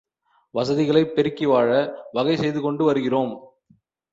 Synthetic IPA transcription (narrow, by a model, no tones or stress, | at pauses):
ʋɐsɐðɪɣɐɭɐɪpːɛɾɯkːɪʋaːɻɐʋɐɣɐɪsɛjðɯkɔɳɖɯʋɐɾɯɣɪroːm